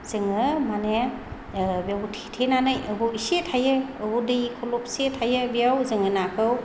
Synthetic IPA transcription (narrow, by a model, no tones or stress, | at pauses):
z̥ɯŋɯmane | bijawtʰi̥tʰenanɯjɯbuwisetʰajɯɯbudɯjikʰɔlɔp̚setʰajɯbijawzɯŋɯnakʰɯw